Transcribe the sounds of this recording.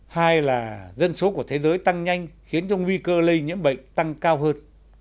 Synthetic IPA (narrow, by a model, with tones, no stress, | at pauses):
haː˧jlaː˨˩zə˧nso˨˦ku˧˩ət̪ʰe˨˦zəː˨˦jt̪a˧ŋɲa˧jŋ̟xi˨˦ənt͡ɕɔ˧ŋwi˧kəː˧lə˧jɲɨ̰˧˥ənɓə̰˧˨ŋ̟t̪a˧ŋkaː˧wɦəː˧n